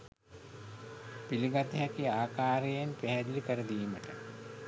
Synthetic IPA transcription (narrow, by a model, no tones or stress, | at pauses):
piliɡat̪əɦækiaːkaːɾejenpæɦɛd̪ilikəɾəd̪iːməʈə